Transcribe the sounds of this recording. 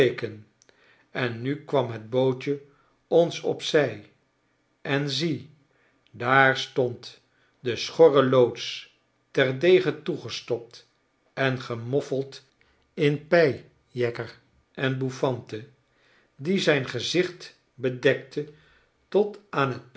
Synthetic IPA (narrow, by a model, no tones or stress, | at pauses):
ekən | ɛnːykʋɑmɦəd̚bowt͡ʃə | ɔnsɔ̰psɛj | ʔɛnzi | daːɹstɔnt | dəsχɔrəlowts | tɛɹdejχətuχəstɔp̚t | ɛnχəmɔfəlˠt | ɪnpɛj | jɛkər | ʔɛnbufɑntə | dizɛjnχəzɪχt | bədɛk̚tʰə | tɔtaːnɦət̚